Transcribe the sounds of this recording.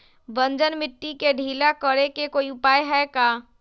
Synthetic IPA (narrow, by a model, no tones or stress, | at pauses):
ʋə̃nd͡ʒənmɪʈːikeɖʱiːlakəɾekekoːiʊpaːjɦɛkaː